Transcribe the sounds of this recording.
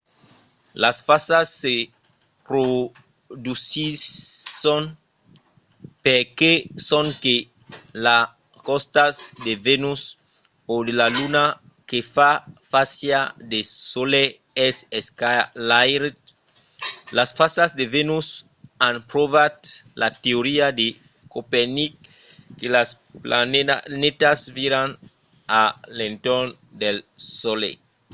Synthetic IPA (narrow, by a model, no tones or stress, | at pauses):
lasfasasːe | pɾo | d̪usisõn | peɾkesõŋke | la | kost̪asd̪evenus | od̪elaluna | kefafasjad̪esole | eseskalajɾt | lasfasasd̪evenus | ãnpɾovat̪lat̪eoɾiad̪e | kopenik̚ː | elas | plannet̪asviɾan | alẽnt̪oɾn | d̪elsolḛ